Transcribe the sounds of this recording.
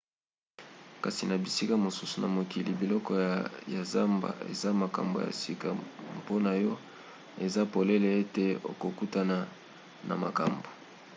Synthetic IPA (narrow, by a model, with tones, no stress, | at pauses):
ka˨si˨na˨bi˨si˦ka˦mo˨su˦su˨na˨mo˨ki˨li˨bi˨lɔ˦kɔ˦ja˨za˦mba̰˨ḛ˨za˦ma˨ka̰˨mbo̰˨ja̰˨si˦ka˨mpo˦na˨jɔ˦ | e˨za˦po˨le˦le˨e˦te˨o̰˨ko˨ku˦ta˦na˨ | na̰˨ma˨ka˨mbo˨